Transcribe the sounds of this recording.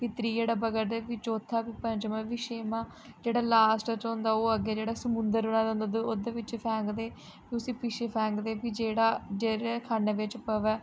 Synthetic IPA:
kit̪ɾiːd͡ʒeːɽaːbəɡəɾd̪eːʋɪt͡ʃoːt̪ʰːaːpiːpə̃ɲt͡ʃmə̃ʋɪʃeːmãː | d͡ʒeːɽaːlaːsʈət͡ʃɔ̃ːnd̪aːoːəɡːeːd͡ʒeːɽaːsəmʊ̃nd̪əɾʊnãːd̪̃ːnd̪od̪eod̪eːʋɪt͡ʃpʰɛ̃ːŋkd̪eː | piʊsĩːpɪʃeːpʰɛ̃ːŋkd̪eːpiːd͡ʒeːɽaːd͡ʒeːɽeːkʰaːneːʋɪt͡ʃpəʋɛː

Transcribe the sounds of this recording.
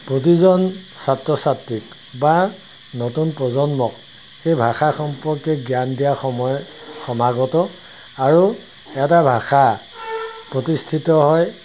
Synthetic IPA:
pɹot̬izɔn | satɹɔsatɹik | ba | notunpɹɔzɔnmɔk̚ | xejbʱaxaxɔmpɔɹkɛɡijandijaxɔmɔjxɔmaɡɔtɔ | aɹu | ɛtabʱaxa | pɹotistʰitɔɦɔj

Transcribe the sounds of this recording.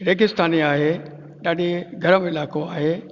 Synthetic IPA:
ɾeːɡɪst̪aːniaːɦeː | ɗaːɗeɡʱɐɾəmẽɪlaːkoaːɦeː

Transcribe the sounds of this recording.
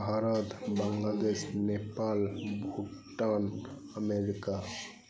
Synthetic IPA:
aːɾət̪bə̃ŋlad̪eːʃnepaːlbʱuʈːan | əmeɾɪka

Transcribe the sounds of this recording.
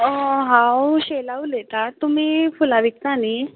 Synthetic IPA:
ɦãwɕelaʋulet̪at̪um̤iːfulaʋik̚t̪aniː

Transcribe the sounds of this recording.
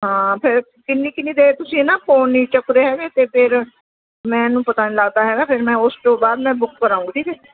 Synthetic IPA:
ɦãːpʰɪɾ | kɪnːĩːkɪnːĩːd̪eːt̪ʊsĩːnaːpʰoːniːt͡ʃəkɾeːɦɛːɡeːt̪eːpʰɪɾ | mɛ̃ːnũːpət̪aːnləɡt̪aːɦɛːɡaːpʰɪɾmɛ̃ːʊsʈoːbaːd̪mɛ̃ːbʊkːəɾaːũːɡiːʈʰiːkɛː

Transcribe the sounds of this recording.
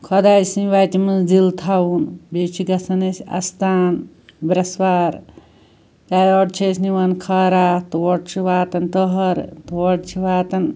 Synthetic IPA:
kʰɔd̪aːjsniʋaːt̪imɨd͡ʒilt̪ʰawunbet͡ʃʰiɡɐsɐnesʲɐ̰st̪aːn | bɾɐswaːɾ | t̪aːjɔʈt͡ʃʰesniʋɐnkʰɐɾaːt̪wɔɽ̚t͡ʃʰiʋaːt̪ɐnt̪ɔɦɐɾt̪wɔɽt͡ʃʰiʋaːt̪ɐn

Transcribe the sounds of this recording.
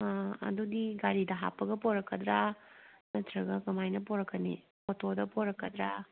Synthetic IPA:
ɐ̰dudiɡaɾidɐɦa̰pːɐɡɐpoɾɐkːɐdɾamɐt̪ɾɐɡɐkɐmajnɐpoɾɐkːɐnḭ | otʰodɐpʰoɾɐkːɐd̪ɾa

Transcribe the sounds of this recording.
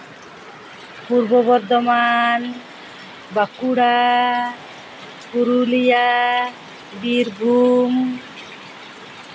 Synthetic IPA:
puɾbɔbɔɾd̪ɔman | bakuɽa | kuɾulija | biɾbʱum

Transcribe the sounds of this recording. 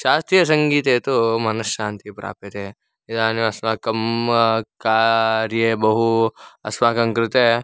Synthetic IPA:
ʃaːst̪ijɐs̬ɐŋɡiːt̪eːt̪omɐnɐsʃaːnt̪ipɾa̰ːpet̪eː | id̪aːnjoɐsmaːkɐm | kaːɾjebɐɦuɐ̰smaːkɐ̃ŋkɾɪt̪e

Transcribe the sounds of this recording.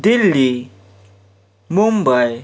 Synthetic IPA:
dili | mumbaj

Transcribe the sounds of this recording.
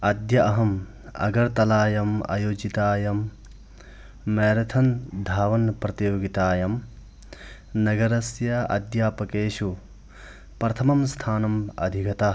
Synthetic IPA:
ɐd̪jɐʔɐɦɐm | ɐ̰ɡɐɾt̪ɐlaːjɐmɐ̰joːd͡ʒit̪aːjɐm | eːɾɐt̪ʰɐnd̪ʱaːʋɐnpɾɐt̪joːɡit̪aːjɐm | nɐɡɐɾɐsjɐɐ̰d̪jaːpɐkeːʃu | pɾɐt̪ʰɐmɐmst̪ʰaːnɐmɐ̰d̪ʱikɐt̪a

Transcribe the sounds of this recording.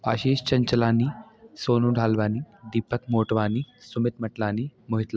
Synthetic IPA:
aːʃeːʃt͡ʃɐɲt͡ʃɐlaːnisoːnuɖʱaːlʋaːnid̪iːpːɐkmoːʈɐʋaːnisumit̪mɐʈlaːnimoɦit̪l

